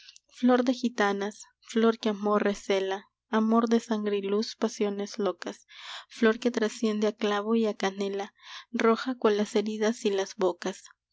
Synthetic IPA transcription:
flo̞ɾd̪e̞xit̪anas | flo̞ɾkeamoreselaː | mo̞ɾd̪e̞saŋɡɾeluspasjo̞ne̞slo̞kasflo̞ɾke̞t̪ɾasje̞nd̪eaklaβoiakanelaro̞xakwanlase̞ɾiðasilazbokas

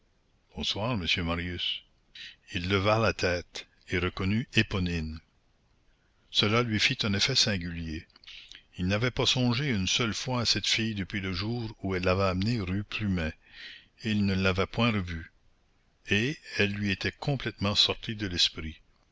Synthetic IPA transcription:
b̥ɔ̃swaːʁməsjømaʁjys | ilːəvalat̪ʰɛːt̪ | eɾəkɔnyepɔnin | səlalɥifit̪ɛ̃nefɛsɛ̃ɡylje | ilnavɛpasɔ̃ʒeynsœlfwaːsɛt̪fijd̪əpɥiləʒuːɾuɛlːavɛamneʁypʰlymɛ̃ | lnəlːavɛpwɛ̃ɾəvy | eɛlːɥiet̪ʰɛkʰɔ̃plɛt̪mɑ̃sɔʁt̪ʰid̪əlɛspɾi

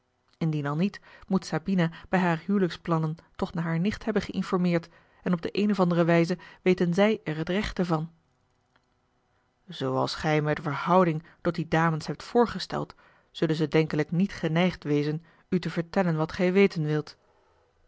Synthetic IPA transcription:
ɪndinɑlˠnitmutsabinab̥ɛjɦaːrɦyːləksplɑnəntɔχnaːɦaːɹnɪχtɦɛbənχəʔɪnfɔɹmɪːɹt | ɛnɔb̚dəʔejnɔvɑndərəʋɛjzəʋejtənzɛjɛɹɦətrɛχtəvɑn | z̥owɑ̰lˠsχɛjmɛtvəɹhɑwdɪŋtɔt̚didaːmənsɦɛp̚tfʊːɹχəstɛ̰lˠt | z̥ɵlənzədɛŋkələknitχənɛjχtʋejzən | ytəvəɹtɛlənʋɑtχɛjʋejtənʋɪlˠt

